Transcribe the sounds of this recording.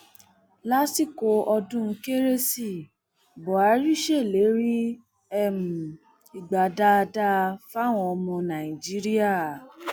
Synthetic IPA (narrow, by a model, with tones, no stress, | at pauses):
la˦si˦˨ko˨˦ʔɔ˧dũ˦˧ke˦ɾe˦si˦˨ | bɔ˨a˨˦ɾi˦˨ʃe˦˨le˨˦ɾi˦ | ɛ˦˨mu˨ | i˨ɡ͡ba˨da˧˦˧da˦˧fa˦˨w̃ɔ̃˧ɔ˧mɔ̃˧nã˨ĩ˨d͡ʒi˨˦ɾi˦a˦˨